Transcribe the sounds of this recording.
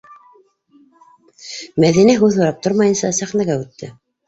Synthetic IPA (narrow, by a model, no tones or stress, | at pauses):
mæðinæɦʉðhŭɾɑp̚t̪oɾmɑjɤ̆nsɑsæχnæɡæʉt̪ːɘ